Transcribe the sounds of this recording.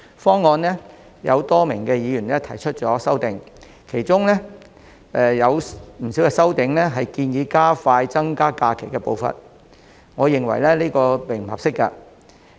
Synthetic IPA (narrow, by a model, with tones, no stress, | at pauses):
fɔː˥ŋːɔː˧nlɛː˥ | jɐ̰˨˧wt̪ɔː˥mɪ˨˩ŋkɛː˧jiː˨˧ɥyː˨˩nɛ˥t̪ʰɐ˨˩jt͡ʃʰɵ˥t̚t͡ʃɔː˨˥sɐ˥wt̪ɪ˨ŋ | kʰe˨˩jt͡sʊ˥ŋlɛ˥ | ɛ˧jɐ˨˧wm̩˨˩siː˨˥wkɛː˧sɐ˥wt̪ɪ˨˧ŋlɛː˥ɦɐ˨jkiː˧njiː˨˧kaː˥faː˧jt͡sɐ˥ŋkaː˥kaː˧kʰe˨˩jkɛː˧po˨˧wfɐ̰˨n | ŋɔː˨˧jɪ˨ŋwɐ̰˨˩jlɛ˥liː˥kɔː˧pe˨˩m̩˨hɐ̰˨p̚sɪ˥kːa̰˧